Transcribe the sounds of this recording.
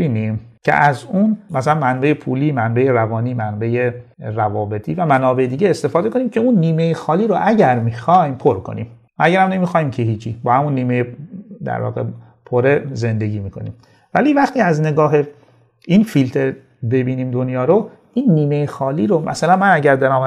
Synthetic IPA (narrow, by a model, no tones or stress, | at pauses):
iːnimcʰḛʔæzunmæsælænmænbejepʰṵːliːmænbejeɾævɒːniːmænbejerævɒːbe̞t̪ʰiːvæmænɒːbe̞ed̪iːɟeest̪e̞fɒːd̪eko̞niːmcʰe̞uːnːiːmejexɒːliːɾoʔæɟæɾmixɒjmpʰoɾkʰo̞̰nḭːm | ʔæɟæɾhæmnemixɒːjimcʰehiːt͡ʃʰibɒːhæmunːiːmejed̪æ̰ɾvɒ̰ːɣḛ | pʰoɾe̞ze̞nd̪e̞ɡiːmiːkʰo̞̰nḭːm | væliːvæxt̪iːæzne̞ɡɒːɦe̞ | infilt̪ʰeɾ | be̞biːniːmd̪onjɒːɾo | iːnːiːmejexɒːliːɾomʔæ̰sælænmænæɟæɾd̪æɾaːm